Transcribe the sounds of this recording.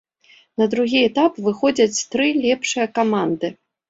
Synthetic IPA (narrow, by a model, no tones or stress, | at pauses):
nɐd̪ɾuɣʲiɛt̪apvɨxɔd͡zʲɐt͡sʲt̪ɾɨlʲɛpʂɨjɐkamand̪ɨ